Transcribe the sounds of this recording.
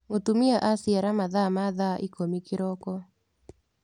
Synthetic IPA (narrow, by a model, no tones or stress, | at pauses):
otumɪaʔasiaɾamaðamaðaʔikomikɪɾɔkɔ